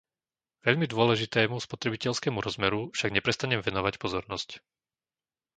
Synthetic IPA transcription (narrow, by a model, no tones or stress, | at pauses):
ʋɛʎmid̪ʊɔlɛʒit̪ɛːmuspɔt̪ɾɛbicɛʎskɛːmuɾɔzmɛɾufʃaɡɲɛpɾɛst̪aɲɛmʋɛnɔʋacpɔzɔɾnɔsc